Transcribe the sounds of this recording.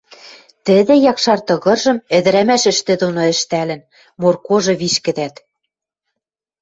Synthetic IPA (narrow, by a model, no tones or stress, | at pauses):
t̪ɘ̆d̪ɘ̆jɑkʃɑrt̪ɤ̆ɣɤ̆rʒɤ̆mɘ̆d̪ɘ̆ɾæmæʃɘ̆ʃt̪ĕd̪onoɘ̆ʃt̪ælɘ̆n | morkoʒɤ̆βiʃkɘ̆d̪æt̪